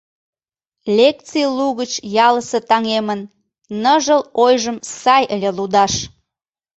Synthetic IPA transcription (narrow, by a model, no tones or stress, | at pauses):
lʲek̚t͡sijluɣət͡ɕjɑləsət̪ɑŋemənː | əʒəlojʒəmsɑjəlʲelud̪ɑʃ